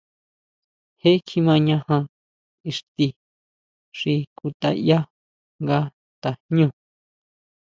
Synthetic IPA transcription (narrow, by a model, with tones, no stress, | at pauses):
he˦kʰi˧mã˧ɲã˧hã˧ | i˧ʂt̪i˧ | ʂi˧ku˧t̪a̰˧ja˦ | ŋɡa˦ | t̪a˨ɲũ˦˨